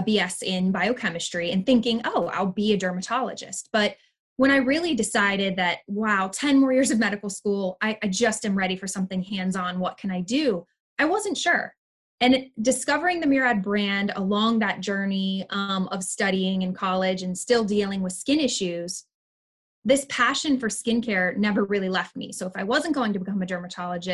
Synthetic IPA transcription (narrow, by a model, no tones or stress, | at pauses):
biɛsɪ̃nbaɪoʊkʰɛmɨstɹ̥iɨ̃nθɪ̃ŋkɪ̃ŋoʊa̰ɪlˠbiɨdɜ˞mɨtʰɑlˠə̰d͡ʒɨ̰st̚b̥ʌt̚ | wə̃ɾ̃aɪɹɪlˠidɨsaɪɾɪd̪̚ðɨt̚waʊtʰɛ̃nmɔɹjɪɹzʌvmɛɾɨkl̩ˠskulˠaɪʔaɪd͡ʒʌstɨ̃mɹɛɾifə˞sʌ̃mθɪ̃ŋhæ̃ndzn̩wʌt̚kʰɨ̃naɪdʉ | ʔaɪwʌzɨ̃ntʃʊɹ | ɨ̃ndɨskʌvə˞ɪ̃ŋðɨmɪɹæd̚bɹæ̃ndə̰lɔ̃ŋðɨt̚d̥ʒ̥ɜ˞niʌ̃mʔʌv̥stʌɾiɪ̃ŋɨ̃nkʰɑlˠɪd͡ʒɨ̃nstɪlˠdilˠɪ̃ŋwɨð̥skɪ̃nɪʃʉz̥ | ðɪspʰæʃɨ̃nfə˞skɪ̃nkʰɛɹnɛvə˞ɹɪlˠilɛft̚mḭsoʊəfaɪwʌzɨ̃n̩ɡ̥oʊɪ̃ŋtʰɨbɨkʰʌ̃mɨdɜ˞mɨtʰɑlˠəd͡ʒɨ